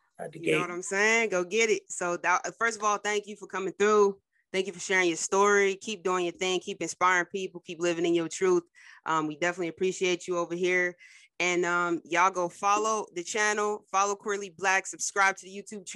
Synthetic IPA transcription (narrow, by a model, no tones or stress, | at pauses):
wʌɾãɪ̃mseɪɪ̃ŋɡoʊɡɛɾɪt̚soʊðəʌfɜ˞stʌvɔlˠθæ̃ŋkjɨfə˞kʰʌmɪ̃ŋθɹu | θæ̃ŋk̬jɨfə˞ʃɛɹɪ̃ŋjə˞stɔɹikʰip̚d̥uɪ̃ŋɨθɪ̃ŋkʰipɨ̃nspaɪɹɪ̃ŋpʰipl̩ˠkʰiplɪvɪ̃ŋɨ̃njə˞tʰɹ̥uθ | ʔʌ̃mwidɛfənətˡliɨpʰɹ̥iʃieɪt͡ʃɨoʊvə˞ɦiɹ | ɨ̃nʌ̃mjæaɪlˠɡoʊfɑlˠoʊðɨt͡ʃʰænl̩ˠfɑlˠoʊkʰw̥ɪliblæksɨb̥skɹaɪb̚tʰɨðɨjʉtʰʉb̚t͡ʃʰ